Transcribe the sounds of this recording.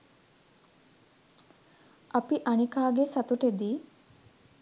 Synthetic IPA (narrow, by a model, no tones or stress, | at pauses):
ʔapiʔanikaːɡesat̪uʈed̪iː